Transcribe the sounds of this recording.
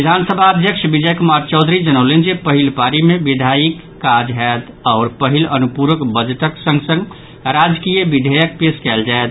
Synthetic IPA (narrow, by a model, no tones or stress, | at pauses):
id̪ʱansəbʱaəd̪ʱjəkʃbid͡ʒəjkumaɾt͡ʃɔʊd̪ʱɾid͡ʒənəʊlend͡ʒepəɦilpaɾimebid̪ʱajikːad͡ʒɦɛt̪ | ɔːɾpəɦilənupuɾʋəkbəd͡ʒʈəksə̃ŋɡsə̃ŋɡ | ɾad͡ʒkijəbid̪ʱejək̚peskɛld͡ʒaet̪